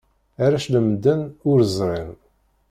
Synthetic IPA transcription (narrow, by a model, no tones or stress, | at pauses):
æɾæʃləmd̪ənʊɾzˤɾˤin